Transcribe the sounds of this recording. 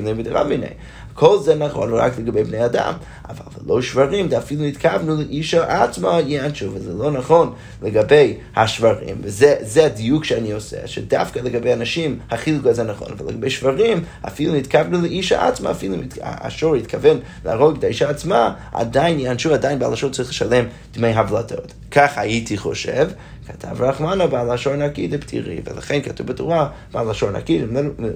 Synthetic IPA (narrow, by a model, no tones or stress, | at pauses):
nimvədəʁa̰mbinḛɪ | kʰɔlˠzɛnaχo̰nʁa̰klˠəɡabebneɪada̰m | a̰va̰lˠvəlˠoʊʃvaʁimdɛafilˠunitkʰavnuləʔiʃaʔat͡smajianʃuvɪzɛlˠoːnaχon | ləɡabej | haʃvaʁḭmvɪzɛzɛadijukʃɛaniosɛ̰ʃɛda̰fkalˠəɡabeɪanaʃimhaχilukuazɛnaχɔ̰nava̰lˠə̰ɡabeɪʃv̥aʁima̰filunitkavnuləʔiʃa̰ʔa̰t͡sma̰ːfilumita̰a̰ʃoɾitkʰavɛn | la̰ʁoɡtaiʃaːt͡sma | a̰dajɪnjianʃuadajnba̰lˠaʃoɾt͡saʁiχləʃalem | d̥mejɦablatʰo̰t | kʰaχajitʰiχo̰ʃḛv | kʰatʰa̰vʁaχmanobalaʃoɾnakidəptʰḭʁḭvə̰la̰χenkatuvbətuʁa | b̥alaʃoɾna̰kid